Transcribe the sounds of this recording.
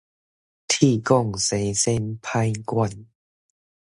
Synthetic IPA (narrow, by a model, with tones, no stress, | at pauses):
t̪ʰiː˧˩kɔ˥˧˩ŋse˨˦se˧˨npʰa˧jkwa˧˩n